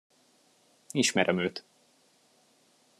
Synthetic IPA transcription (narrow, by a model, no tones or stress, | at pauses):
iʃmɛɾʔɛmøːt̪